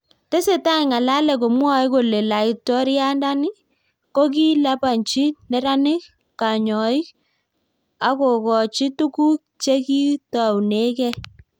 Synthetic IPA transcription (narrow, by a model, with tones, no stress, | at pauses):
tɛ˦se˨ta˦i˨ŋa˨la˦lɛ˨ko˨mwa˦ɪ˦ko˨le˨la˨i˨tɔ˦ɾja˦nda˦nɪ˦ | ko˦k̬i˦la˦pa˨nt͡ʃi˦nɛ˨ɾa˦nɪ˦k | ka˨ɲɔ˨ɪ˦ | a˨ko˨kɔ˨t͡ʃi˦tu˦ku˦k̚ | t͡ʃe˦ki˦ta˨wne˦kɛ˦